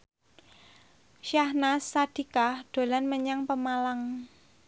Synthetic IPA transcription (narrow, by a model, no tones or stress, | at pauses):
ʃahnasːad̪̥i̤kahd̪̥o̤lanməɲaŋpəmalaŋ